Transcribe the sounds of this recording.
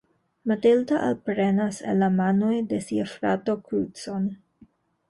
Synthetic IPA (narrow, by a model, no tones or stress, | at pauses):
matiltaʔalpɾe̞nasḛlːamanojde̞siafɾatokutson